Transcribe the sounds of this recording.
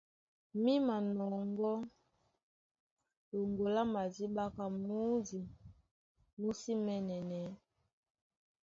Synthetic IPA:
mi˦ma˨nɔ˨ŋɡɔ˦ | lo˨ŋɡo˨la˦ma˨zi˦ɓa˦ka˨muu˦zi˨ | mu˦si˦mɛ˦nɛ˨nɛ˨˦

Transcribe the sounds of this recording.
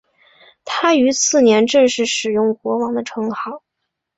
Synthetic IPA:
t̪ʰa˥y˧˥t͡sʰɹ̩˥˩njɛ˧˥nʈ͡ʂɤ˥˧ŋʂɻ̩˥˩ʂɻ̩˨˩jʊ˥˩ŋxwɔ˧˥wɑ˧˥ŋd̪ə˧ʈ͡ʂʰɤ˧˥ŋxɑ˨˩˦ʊ

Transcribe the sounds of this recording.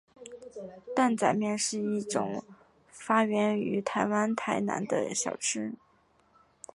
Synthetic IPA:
t̪a˥˩nt͡sa˨˩ɪmjɛ˥˧nʂɻ̩˥˧i˥˩ʈ͡ʂʊ̰˨˩ŋ | fa˥ɥɛ˧˥ny̰˧˥t̪ʰa˧˥ɪwa˥nt̪ʰa˧˥ɪna̰˧˥nd̪ə̰˧ɕjɑ˨˩ʊʈ͡ʂʰɻ̩˥

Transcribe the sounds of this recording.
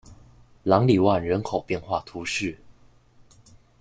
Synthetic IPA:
lɑ˧˥ŋli˨˩wa˥˩nɻə˧˥nkʰo˨˩ʊpjɛ˥˧nxwa˥˩t̪ʰu˧˥ʂɻ̩˥˩

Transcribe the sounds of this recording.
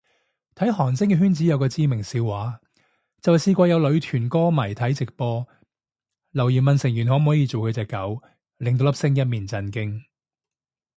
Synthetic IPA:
t̪ʰɐ˨˥jɦɔː˨˩ŋt͡sɪ˥ŋkɛː˧ɦyː˥nt͡siː˨˥jɐ˨˧wkɔː˧t͡siː˧mɪ˨˩ŋsiː˧wwaː˨˥ | t͡sɐ˨whsiː˧kʷɔː˧jɐ˨˧wlɵ˨˧ɥt̪ʰyː˨˩nkɔː˥mɐ˨˩jt̪ʰɐ˨˥jt͡sɪ˨k̚pɔː˧ | lɐ˨˩wjiː˨˩nmɐ˨nsɪ˨˩ŋjyː˨˩nhɔ˨˥m̩˨hɔː˨˥jiː˧t͡so˨wkʰɵ˨˧ɥt͡sɛː˨˧kːɐ˨˥w | lɪ˨ŋt̪o˧wlɐ˥psɪ˥ŋjɐ˥t̚miː˨nt͡sɐ˧nkɪ˥ŋ

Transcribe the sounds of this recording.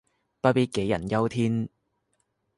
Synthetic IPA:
pɐ˥pi˥ke˨˥jːɐ̰˨˩njɐ˥wt̪ʰiː˥n

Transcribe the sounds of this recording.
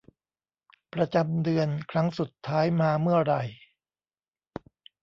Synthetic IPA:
pɾa˧t͡ɕa˧mdɯ˧ənkʰɾa˦˥ŋsu˨˩t̪ʰːaː˦˥jmaː˧mɯ˥˩ɐɾa˧˩j

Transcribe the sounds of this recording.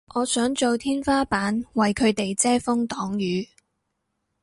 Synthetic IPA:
ʔɔː˨˧sœː˨˥ŋt͡so˨wt̪ʰiː˥nfaː˥paː˨˥nwɐ˨jkʰɵ˨˧ɥt̪e˨jt͡sɛː˥fʊ˥ŋt̪ɔː˨˥ŋjyː˨˥

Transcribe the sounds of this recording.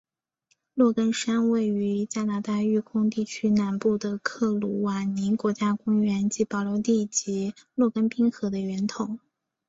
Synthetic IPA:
lwɔ˥˩kə˥nʂa˥nwe˥˩ɪy˧˥t͡ɕja˥na˧˥t̪a˥˧y˥˩kʰʊ˥ŋt̪i˥˩t͡ɕʰy˥na˨˩npu˥˩d̪ə˩kʰɤ˥˩lu˧˩wa˨˩ni˧˥nkwɔ˧˥t͡ɕja˥kʊ˥ŋɥɛ˧˥nt͡ɕi˧˥pɑ˨˩ʊlo˧˥ʊt̪i˥˩t͡ɕi˧˥lwɔ˥˩kə˥npi˥ŋxɤ˧˥d̪ə˧ɥɛ˧˥nt̪ʰʊ˨˩˦ŋ

